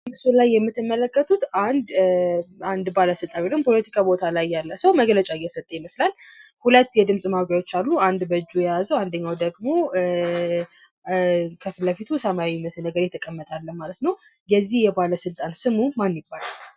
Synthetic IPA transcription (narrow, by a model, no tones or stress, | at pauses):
mɨsulajːɛmːɨt̪ːɨmːələkːət̪ʰut̪and̪ | and̪baləsɨlt̪ʼanwelɨmpʰo̞lət̪ʰi̥kʼabo̞t̪ʰalajːalːəsəwməɡlət͡ʃʼajːɛsət̪ʼːəjɛməslal | hulət̪ːjɛd̪ɨmsʼmaɾawot͡ʃːalːuand̪bəd͡ʒːujɛjazəwand̪əɲːawd̪əɡmo̞ | kʰəfɨlːəfit̪ʰusəmawiməslnəɡəɾjɛt̪ʰːəkʼəmːət̪ʼalːəhmalət̪nəw | jɛzːihjɛbaləsɨlt̪ʼansɨmumanːibːalal